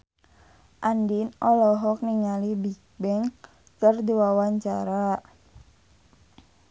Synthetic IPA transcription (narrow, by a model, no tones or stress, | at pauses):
ʔandinɔlɔɦɔk̚niŋalibik̚bɛŋ | kərd̪iwawaɲt͡ʃa̰ɾa